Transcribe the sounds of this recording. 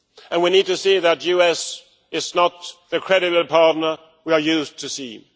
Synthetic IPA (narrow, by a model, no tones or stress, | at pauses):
ɨ̃nwinid̚tɨsiðɨtjʉɛs | ɪznət̪̚ðɨkʰɹ̥ɛɾɨbəpʰɑɹtⁿnə˞ | wiə˞jʉztʰɨsḭ